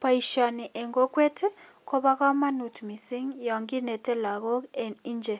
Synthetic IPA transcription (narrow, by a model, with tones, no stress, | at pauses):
pa˨i˨ʃa˨ni˨ʔɛ˨ŋɡo˦kwe˦te˦ | kʰo˦βa˦ka˦ma˦nu˨tmi˨si˦ŋja˨ŋɡi˦nɛ˨tɛ˦la˨ɣɔ˦i˦nd͡ʒe˨